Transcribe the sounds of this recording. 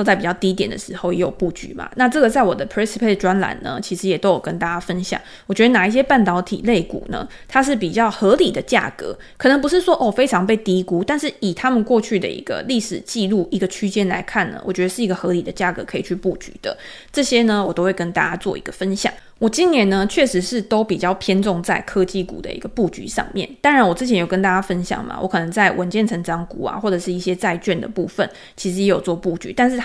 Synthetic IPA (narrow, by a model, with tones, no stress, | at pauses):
t͡sa˥˩ɪpi˨˩t͡ɕjɑ˥˩ʊt̪i˥t̪jɛ˨˩nd̪ə̰˦ʂɻ̩˧˥xo˥˩ʊjɛ˧˥jo˨˩ʊpu˥˩t͡ɕy̰˧˥ma̰˨na˥˧ʈ͡ʂɤ˥˩ɡə˩t͡sa˥˩ɪwɔ˨˩d̪ə˦pʰɹi˥nsi˧˥pʰe˥˩ʈ͡ʂwa˦nla̰˨˩˦nnə̰˧t͡ɕʰi˧˥ʂɻ̩˧˦jɛ˨˩t̪o˥ʊjo˨˩kə˦nt̪a˥˩t͡ɕja˥fə˦˥nɕjɑ̰˨˩ŋ | wɔ˨˩t͡ɕɥɛ˧˥d̪ə˧na˨˩i˥˩ɕ̬jɛ˥pa˥˩nt̪ɑ˧˥ʊt̪ʰḭ˨˩le˥˩ɪkṵ˨˩nə̰˦ | t̪ʰa˥ʂ̬ɻ̩˥˩pi˨˩t͡ɕjɑ˥˩ʊxɤ˧˥li˨˩d̪ə˦t͡ɕja̰˥˩kɤ̰˧˥˦kʰɤ˨˩nə˧˥ŋp̬u˧˦ʂ̬ɻ̩˥˩ʂwɔ˥ʔɔ˥˩fe˥ɪʈ͡ʂʰɑ˧˥ŋpe˥˩ɪt̪i˧˥ku˥t̪a˥˧nʂɻ̩˥˩i˨˩t̪ʰa˥mə˨nkwɔ˥˧t͡ɕʰy˥˩d̪ə̰˨ḭ˧˥ɡ̥ə̰˧li˥˩ʂɻ̩˨˩t͡ɕi˥˧lu˥˩ʔi˧˥ɡə˧t͡ɕʰy˥t͡ɕjɛ˥nla̰˧˥ɪkʰa˥˩nlə̰˩wɔ̰˨˩t͡ɕɥɛ˧˥d̪ə˧ʂɻ̩˥˩i˧ɡə˧˨xɤ˧˥li˨˩d̪ə˦t͡ɕja˥˩kɤ̰˧˥kʰɤ˧˥i˨˩t͡ɕʰy˥˧pu˥˩t͡ɕy̥̰˧˥d̪̥ə̰˨˦ | ʈ͡ʂɤ˥˩ɕjɛ˥nə˨wɔ˨˩t̪o˥ʊwe˥˩ɪkə˦nt̪a˥˩t͡ɕa˥t͡swɔ̰˥˩ḭ˧˥ɡə̥˧fə˦˥nɕjɑ̰˨˩˦ŋ | wɔ˨˩t͡ɕi˦˥nnjɛ˧˥nːə˧t͡ɕʰɥɛ˥˩ʂɻ̩˧˥ʂɻ̩˥˩t̪o˥ʊpi˨˩t͡ɕjɑ˥˩ʊpʰjɛ˥nʈ͡ʂʊ˥˧ŋt͡sa˥˩ɪkʰɤ˥t͡ɕi˥˧˩kṵ˨˩d̪ə̰˦ḭ˥ɡə˧pu˥˩t͡ɕy̰˧˥ʂɑ̰˥˧ŋmjɛ̰˥˩nt̪a˥ŋɻa˨˧˦nwɔ˨˩t͡s̩˥t͡ɕʰjɛ˧˦njo˨˩ʊkə˥nt̪a˥˩t͡ɕa˥fə˦nɕjɑ̰˨˩ŋma̰˨˩wʔɔ̰˧˥kʰɤ˨˩nə˧˥ŋt͡sa˥˩ɪwʔə˧˦˥nt͡ɕjɛ˥˩nt͡sʰə˧˥ŋʈ͡ʂɑ˥ŋku˥a̰˨˩xwɔ˥˩ʈ͡ʂɤ˨˩ʂɻ̩˥˧i˥˩ɕjɛ˥t͡sa˥˧ɪt͡ɕɛ˥˩nd̪ə̰˩pu˥˩fə˨˩n | t͡ɕʰi˧˥ʂɻ̩˧˥jɛ˧˥jo˨˩t͡swɔ˥˧pu˥˩t͡ɕy̰˧˥t̪a˥˧nʂ̬ɻ̩˥˩